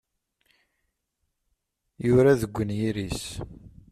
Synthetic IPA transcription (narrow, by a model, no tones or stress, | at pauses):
jʊɾaðəɡʷːənjiɾis